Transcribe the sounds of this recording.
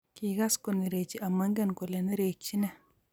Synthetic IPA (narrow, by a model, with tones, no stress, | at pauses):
ki˨ɡa˦sko˨ni˨ɾe˨t͡ʃi˦ʔa˨ma˦ŋɡɛ˦nko˨le˨ni˦ɾe˨t͡ʃːi˦nɛ˨